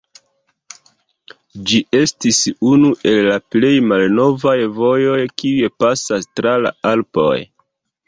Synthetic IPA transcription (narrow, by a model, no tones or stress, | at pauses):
d͡ʒiʔe̞stisunuʔe̞lːaple̞jmalno̞vajvo̞jo̞jkiuepasastɾala̰alpo̞̰j